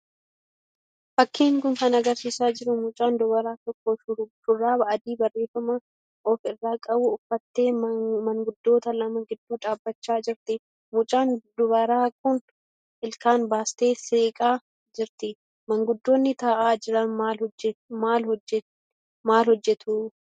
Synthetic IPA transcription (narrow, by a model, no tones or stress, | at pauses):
fɐkːiːŋkʊŋkɐnɐɡɐɾsiːsaːd͡ʒɪɾʊmʊt͡ʃʼaːnd̪ʊbɐɾaːt̪ɔkːoːʃʊʃʊrːaːbɐʔɐd̪iːbɐrːe̞ːfɐmɐ | ʔɔfɪrːaːkʼɐbʊʊfːɐt̪ːe̞ːmɐŋɡʊd̪ːo̞ːt̪ɐlɐmɐɡɪd̪ːuːᶑaːbːɐt͡ʃːaːd͡ʒɪɾt̪ɪ | mʊt͡ʃʼaːnd̪ʊbɐɾaːkʊn | ʔɪlkaːnbaːst̪eːseːkʼaː | d͡ʒɪɾt̪ɪ | mɐŋɡʊd̪ːo̞ːnːɪt̪aːʔaːd͡ʒɪɾɐnmaːmaːlhɔɛ | maːlhɔd͡ʒːɛt̪ʰu